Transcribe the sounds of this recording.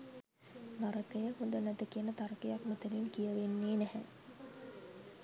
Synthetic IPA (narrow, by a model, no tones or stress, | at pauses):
naɾəkəjəhund̪ənæt̪əkiənət̪aɾəkəjakmət̪əninkijəʋenːeːnɛhɛ̰